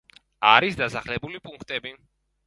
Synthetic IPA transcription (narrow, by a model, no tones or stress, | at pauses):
aɾisd̪asaχlɛbulipʼuŋkʰt̪ʼɛbi